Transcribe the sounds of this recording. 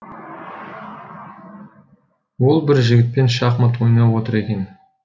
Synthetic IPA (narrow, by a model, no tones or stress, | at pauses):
wʊlˠbɪɾʒɪɡʲɪt̪̚pe̞nʃɑqmət̪wo̞jnɑwwo̞t̪əɾe̞kʲe̞n